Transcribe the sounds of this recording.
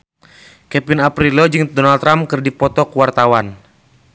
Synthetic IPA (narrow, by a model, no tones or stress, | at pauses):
kɛpinapɾilod͡ʒɨŋdɔnalt̪ɾamkɨrdipɔt̪ɔkuwart̪awan